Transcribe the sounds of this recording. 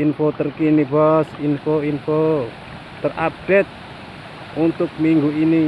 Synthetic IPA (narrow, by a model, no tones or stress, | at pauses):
infot̪ərkinibɔsinfoinfo | t̪ərap̚ɖ̥et̪̚ | unt̪ʊk̚miŋɡuini